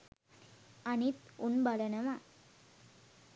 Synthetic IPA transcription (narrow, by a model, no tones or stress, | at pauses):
ɐnit̪unbɐlɐnɐma